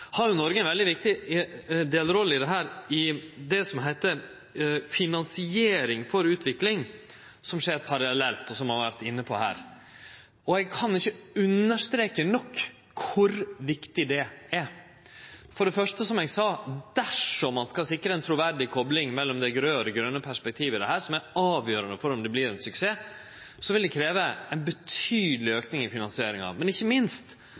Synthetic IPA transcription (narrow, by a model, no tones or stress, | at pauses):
hɑɾjʊnɔɾɡəɛnʋɛld̪ɪʋɪk̚t̪ɪ | d̪eːləɾɔlːəɪd̪ɛɦæːɾɪd̪ɛsɔmɦæɪt̪ə | fɪnɑnsɪeːɾɪŋfɔɾʉːt̪ʰʋɪklɪŋ | sɔmʂeːɾpʰɑɾɑlɛlt̪ɔsɔmhɑɾʋæɾt̪ɪnːəpʰɔ̰hæ̰ːɾ | ɔɛɡ̚kʰɑnɪçːəʉnːəʂt̪ɾeːkənɔkːʰ | ʊɾʋɪkt̪ɪd̪ɛæɾ | fɔɖɛfœʂʈəsɔmɛɡsɑːd̪̥æʂɔmɑnskɑlsɪkːɾəɛnt̪ʰɾʊʋæɾɖɪkʰɔblɪŋmɛlːɔmd̪ɛɡɾøːɾɛɡɾœnːəpʰæʂpɛk̚t̪ʰiːʋəɪd̪ɛɦæːɾsɔmæɾɑːʋjøːɾɑnəfɔɾɔmd̪ɛbliːɾɛnsʉkseː | sɔʋɪld̪ɛkʰɾeːʋəɛnbət̪ʰyːd̪əlɪøːknɪŋɪfɪnɑnsɪeːɾɪŋɑ̰mɛnɪçːəmɪnst̪